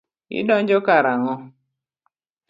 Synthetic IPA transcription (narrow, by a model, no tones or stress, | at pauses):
ɪ̰dɔɲd͡ʒɔkaɾaŋɔ